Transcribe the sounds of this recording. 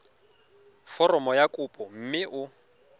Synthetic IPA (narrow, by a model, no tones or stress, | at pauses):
fɔrɔmɔjakʼupʼɔm̩mɪʔʊ